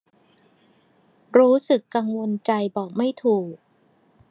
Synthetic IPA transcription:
ɾuː˦˥sɯ˨˩kːa˧ŋwo˧nt͡ɕa˧jbɔː˨˩k̚ma˥˩jt̪ʰuː˨˩k̚

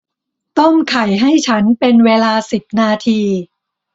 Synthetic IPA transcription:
t̪o˥˩mkʰa˨˩jɦa˥˩jt͡ɕʰa˦˥npe˧nweː˧laː˧si˨˩p̚naː˧t̪ʰiː˧

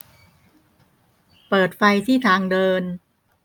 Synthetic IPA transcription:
pɤː˨˩t̪̚fa˧jt̪ʰiː˥˩t̪ʰaː˧ŋdɤː˧n

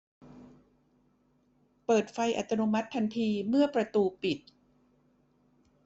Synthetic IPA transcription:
pɤː˨˩t̪̚fa˧jʔa̰˨˩t̪ʰːa˧nu˧ma˦˥t̪ʰːa˧nt̪ʰiː˧mɯ˥˩ɐpɾa˧t̪uː˧pi˨˩t̪̚

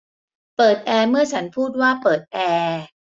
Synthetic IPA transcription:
pɤː˨˩t̪̚ʔɛː˧mɯ˥˩ɐt͡ɕʰa˦˥npʰuː˥˩t̪̚waː˥˩pɤː˨˩t̪̚ʔɛː˧

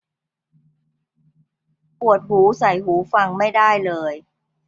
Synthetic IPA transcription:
pu˨˩ət̪̚huː˩˦sa˨˩˦jɦuː˩˦fa˧ŋma˥˩jdaː˥˩jlɤː˧j

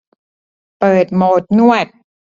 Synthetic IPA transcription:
pɤː˨˩t̪̚moː˨˩t̪̚nu˥˩ət̪̚

